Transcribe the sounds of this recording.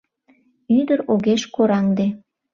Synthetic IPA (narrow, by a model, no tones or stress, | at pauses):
yd̪əɾoɣeʃkoɾɑŋd̪e